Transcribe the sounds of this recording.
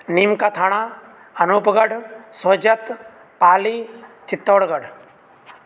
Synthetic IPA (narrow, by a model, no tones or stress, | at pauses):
niːmkaːt̪ʰaːɳ̃aː | ɐnoːpɡəɖsoːd͡ʒət̪ | paːliːt͡ʃɪt̪ːoːɽɡəɖ